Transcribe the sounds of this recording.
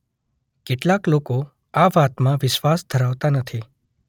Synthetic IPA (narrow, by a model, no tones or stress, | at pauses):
keʈlakloko | aʋat̪mãʋɪʃʋasd̪ʱəɾaʋt̪anət̪ʰi